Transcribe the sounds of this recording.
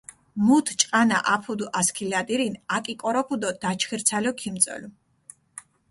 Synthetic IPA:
mut̪ʰt͡ʃʼqʼanaʔapʰud̪uʔaskʰilad̪iɾinakʼikʼɔɾɔpʰud̪ɔd̪̥at͡ʃʰχiɾt̪sʰalɔkʰimt̪sʼɔ̰lu

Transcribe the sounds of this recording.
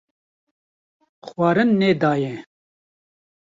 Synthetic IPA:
xwɑːɾɨnːeːd̪ɑːjɛ

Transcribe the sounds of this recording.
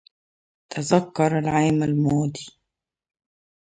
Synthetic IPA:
t̪ʰazakːɑɾˤalʕaːmalmoːd̪i

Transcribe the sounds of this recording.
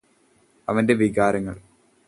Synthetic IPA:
ɐʋɐnde̞ʋiɣaːɾɐŋːɐ̰ɭ

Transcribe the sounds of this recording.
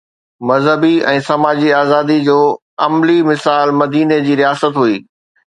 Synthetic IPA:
mɐzɦəbiɛ̃ːsɐmaːd͡ʑiaːzaːd̪id͡ʑoː | ɐmlimɪsaːlmɐd̪iːned͡ʑiːɾijaːsət̪ɦuiː

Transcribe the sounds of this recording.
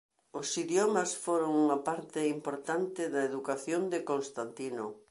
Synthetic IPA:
ʊsiðjɔmɐsfoɾoŋuŋɐpaɾt̪ɪimpoɾt̪ant̪ɪðɐeðukaθjond̪ɪkonst̪ant̪ino

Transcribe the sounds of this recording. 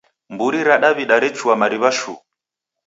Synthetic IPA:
mbuɾiɾaɗaβiɗaɾɛt͡ʃuamaɾiβaʃṵ

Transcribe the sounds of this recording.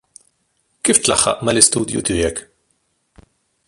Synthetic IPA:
kiːft̪lɐħːɐ̰ʔmɐlɪst̪ṵːd̪jṵt̪ɪjɛk

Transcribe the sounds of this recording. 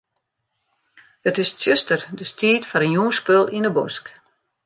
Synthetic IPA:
ətɪstjøstərdəstʰiːtfɔɾənjuːspølˠʔinəbʊ̰sk

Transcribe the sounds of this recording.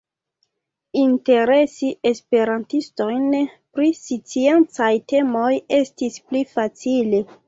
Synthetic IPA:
inte̞ɾe̞sie̞spe̞ɾantisto̞jnpɾisit͡sient͡sajte̞moje̞stisplifat͡sile̞

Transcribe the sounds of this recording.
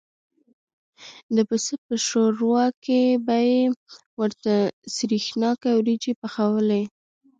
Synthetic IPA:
d̪əpəsəpəʃoɾwɑkebaje | wəɾt̪asɾixnɑkawɾid͡ʒepaxawəle

